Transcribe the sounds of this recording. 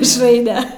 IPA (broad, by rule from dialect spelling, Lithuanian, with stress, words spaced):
mʲɪʃˈrɐɪnʲɛ